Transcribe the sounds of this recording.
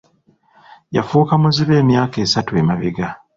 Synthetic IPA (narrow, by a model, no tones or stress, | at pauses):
ja̰fuːkamuziβe̞ːmjaːke̞ːsatuemaβeɡa